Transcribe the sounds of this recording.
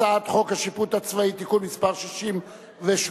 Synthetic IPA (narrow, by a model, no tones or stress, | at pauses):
aat̪χo̞khaʃiput̪at͡svait̪ikulmispaʁʃiʃim | veʃ